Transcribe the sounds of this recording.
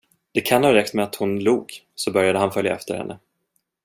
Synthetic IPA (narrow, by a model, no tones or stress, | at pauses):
d̪̥ɛkʰanhɑːɾɛk̚t̪mɛat̪hʊnluːɡ | sɔbœɾjad̪əhanfœlja̰ɛft̪əɾhɛ̰nːə